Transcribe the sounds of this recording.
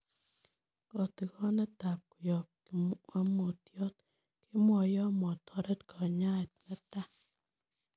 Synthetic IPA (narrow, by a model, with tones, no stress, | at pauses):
kɔ˨t̪ɪ˨kɔ˦nɛ˦t̪a˨p̚ku˨jɔ˨p̚kwa˦mo˨t̪jɔ˦t̪ | kʰi˦mwɔ˨jɔ˦mɔ˨t̪ʰɔ˦ɾɛ˦t̪kʰɔ˨ɲa˦˨t̪̚nɛ˦ta˦